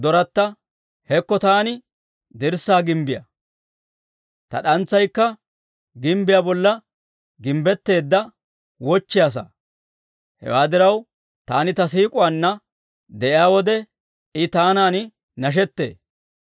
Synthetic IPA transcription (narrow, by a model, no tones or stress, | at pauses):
d̪ɔɾɐt̪ːɐ | hɛkːɔt̪aːnɪ | d̪ɪɾsaːɡɪmbɪjɐ̰ | t̪ɐ̰ɗɐnt͡sːɐjkːɐ | ɡɪmbɪjabɔlːɐ | ɡɪmbɛt̪ːe̞ːd̪ːɐ | wɔt͡ʃːɪjaːs̬a̰ | hɛ̰waːd̪ɪɾɐw | t̪aːnɪt̪ɐs̬iːkʼʊwanːɐ | d̪ɛʔɪjaːwɔd̪ɛ | ɪt̪aːnaːnɪ | nɐʃ̬ɛt̪ːḛː